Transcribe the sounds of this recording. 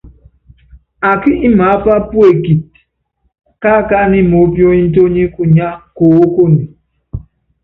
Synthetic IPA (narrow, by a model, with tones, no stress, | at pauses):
a˨ki˦ʔi˦ma˨˦pa˦pu˦e˨ki˨t̚ | ka˦˨ka˦ni˦mo˨˦pjo˦i˦n̩˦t̬o˦ɲi˦ku˦ɲa˦ko˨o˦ko˦ni˨